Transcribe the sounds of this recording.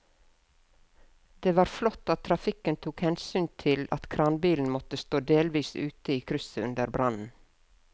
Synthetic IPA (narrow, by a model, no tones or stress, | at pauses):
d̪̥eːʋɑːɾflɔt̪ːɑt̪ʰɾɑfɪkənt̪ʰuːkhɛnsyːnt̪ʰɪlɑ̰t̪kʰɾɑnbiːln̩mɔt̪əst̪oːd̪eːlʋiːsʉ̰ːt̪əiːkʰɾʏsəʉnd̪əɾbɾʔɑnn̩